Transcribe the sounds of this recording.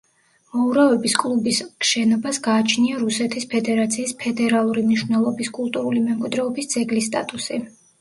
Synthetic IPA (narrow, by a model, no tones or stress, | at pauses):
mɔuɾavɛbiskʼlˠubisʃɛnɔbasɡaːt͡ʃʰniaɾusɛt̪ʰispʰɛd̪ɛɾat̪sʰiːspʰɛd̪ɛɾalˠuɾimniʃvnɛlˠɔbiskʼulˠt̪ʼuɾulimɛmkʼid̪ɾɛɔbisd̪zɛɡlist̪ʼa̰t̪ʼusi